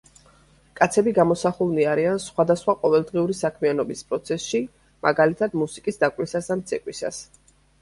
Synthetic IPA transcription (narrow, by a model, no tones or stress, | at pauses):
kʼat̪sʰɛbiɡamɔsaχulˠniaɾiansχwad̪asχwaqʼɔvɛlˠd̪ʁiuɾisakʰmianɔbispʼɾɔt̪sʰɛsʃi | mʔa̰ɡalit̪ʰad̪musikʼisd̪akʼlisasd̪amt̪sʰɛkʼwisa̰s